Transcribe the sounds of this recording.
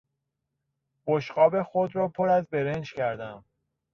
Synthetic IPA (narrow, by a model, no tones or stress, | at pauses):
b̥oʃɢɒːbe̞xod̪ɾɒːpʰoɾæzbe̞ɾend͡ʒcæɾd̪æm